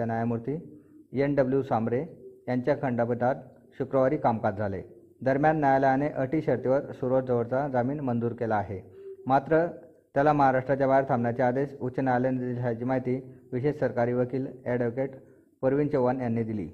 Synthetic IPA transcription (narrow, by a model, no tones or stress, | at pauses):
anjajamuɾt̪iːjenɖəbljusamɾejaɲt͡ɕjakʰəɳɖapət̪at̪ | ɕukɾəʋaɾiːkamkad͡zʱalḛ | d̪əɾmjanːjajaləjaneʔəʈiːɕəɾt̪eʋəɾsuɾot̪̚d͡zəʋəɾt͡sad͡zamiːnmənd̪uːɾkelaːɦemat̪ɾə | t̪jalaməɦaɾaʂʈɾat͡ɕjabʱaeɾt̪ʰamɳjat͡ɕiad̪eɕut͡ɕənajaljnid̪id͡ʑʰʱaat͡ɕiːmaɦit̪iːʋiɕeɕsəɾkaɾiːʋəkiːleɖəkeʈ | pəɾʋint͡ɕeʋanjanːid̪ilḭː